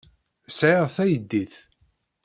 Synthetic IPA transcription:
sʕiʁθæjəd̪ːiθ

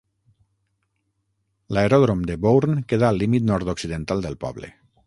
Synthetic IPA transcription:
laeɾɔðɾomd̪ebowɾnkeðaːlːimit̪nɔɾt̪oksiðent̪alˠd̪əlˠpɔ̰βlḛ

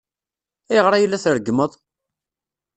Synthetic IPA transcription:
æjəʁɾˤɑjəlːæθɾəɡməðˤ

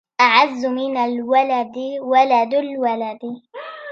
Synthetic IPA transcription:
ʔaʕazːʊmɪnalwalad̪walad̪alwalad̪

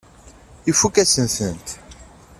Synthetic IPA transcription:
ifukɛsĩnθint̪i̥

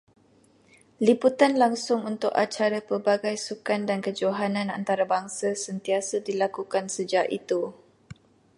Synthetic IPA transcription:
liput̪anlaŋsʊŋunt̪ʊkat͡ʃaɾapərbaɡajsukandankəd͡ʒoɦanãna̰nt̪aɾabaŋsasənt̪iasədilakukansəd͡ʒaʔḭt̪u

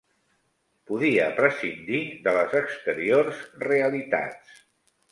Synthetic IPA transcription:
puðiəpɾəsind̪iðələzəkst̪əɾiorzreəlit̪a̰t͡s

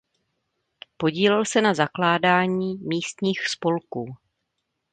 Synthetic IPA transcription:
po̞ɟiːlɛlsɛnazaklaːdaːɲiːmiːst̪ɲiːxspo̞lkuː

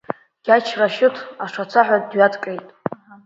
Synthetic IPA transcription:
ɡ̥ʲat͡ʃʰraʃɪtʰaʂat͡sʰaħʷadɥatʼkʼejtʼ

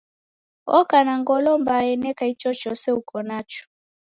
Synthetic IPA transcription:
ɔkanaŋɡɔlɔmbaɛnɛkait͡ʃɔt͡ʃɔsɛukɔnat͡ʃu̥

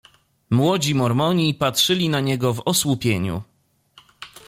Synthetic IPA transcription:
mwɔd͡ʑimɔɾmɔɲipatʂɘlʲinaɲɛɡɔvɔswupʲjeɲṵ

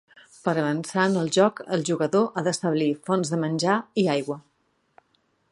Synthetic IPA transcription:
pəɾəβənsanəlˠʒɔkəlˠʒuɣəðoʔaðəst̪əβlifɔnzðəmənʲʒaiajɣwə

